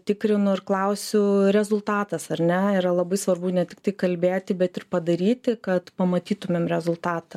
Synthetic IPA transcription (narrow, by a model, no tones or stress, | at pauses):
t̪ʲɪkɾʲɪnʊɪrklˠɐʊsʲʊɾʲɛzʊlˠt̪ɑːt̪ɐsɐrʲnʲɛiːɾɐlˠɐbɐɪsʋɐrbʊnʲɛt̪ʲɪ̥kt̪ɐɪkɐlʲbʲeːt̪ʲɪbʲɛt̪ɪrpɐd̪ɐɾʲiːt̪ʲɪkɐt̪pɐmɐt̪ʲiːt̪ʊmʲeːmɾʲɛzʊlˠt̪ɑːt̪ɐ